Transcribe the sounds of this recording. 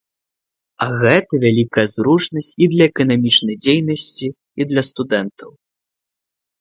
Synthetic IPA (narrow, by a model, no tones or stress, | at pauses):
ɐɣɛt̪ɐvʲalʲikɐjɐzɾut͡ʂnɐsʲt͡sʲid̪lʲɐɛkɐnamʲit͡ʂnɐjd͡zʲejnɐsʲt͡sʲiː | d̪lʲɐst̪ud̪ɛnt̪ɐw